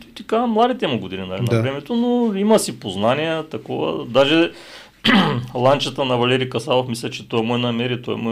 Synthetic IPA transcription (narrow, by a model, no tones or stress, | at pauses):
it̪ikamːlˠad̪it̪ɛmuɡʊd̪ininɐɛnɾɛmɛt̪onoimɐsipoznanijɛt̪ɐkɔvə̰d̪aʒɛ | lˠant͡ʃət̪ənɐvɐlɛɾikɐsalˠofmislʲɛt͡ʃɛt̪ɔɛmoɛnɐmɛɾit̪ɔɛ̰mɔ